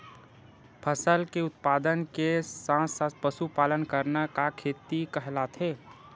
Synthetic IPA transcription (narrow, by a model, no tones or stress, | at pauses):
pʰəsəlkeʊt̪̚paːd̪ənkesãsapəsupaːlənkəɾnakakʰeːt̪ikəɦlat̪ʰe